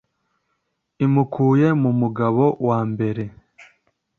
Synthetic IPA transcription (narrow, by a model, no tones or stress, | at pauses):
imukʰuːje̞mumuɡaβo̞waːmbe̞ɾe̞